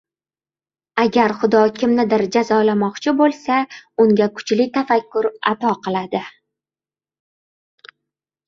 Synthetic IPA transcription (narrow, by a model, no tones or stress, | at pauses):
aɡʲaɾχʊd̪ɒkʲʰɪmnɪd̪ɪɾd͡ʒazɒlamɒqt͡ʃʰɪbolˠsaʊŋɡʲakʰʊ̥t͡ʃlɪt̪ʰafakʲʰːʊɾa̰t̪ɒqʰɨlˠad̪ɪ